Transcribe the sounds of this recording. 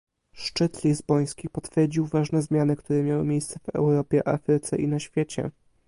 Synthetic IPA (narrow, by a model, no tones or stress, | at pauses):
ʂt͡ʂɘt̪lʲizbɔj̃skʲipɔt̪fʲjɛɾd͡ʑiwvaʐnɛzmʲjanɘkt̪uɾɛmʲjawɘmʲjejst̪sɛvɛ̰wɾɔpʲjɛʔa̰fɾɘt̪sɛʔinaɕfʲjet͡ɕɛ̰